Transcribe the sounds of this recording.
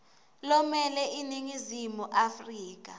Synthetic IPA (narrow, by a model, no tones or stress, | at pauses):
lɔmɛlɛʔiniŋizimuʔafriːk̬ʼa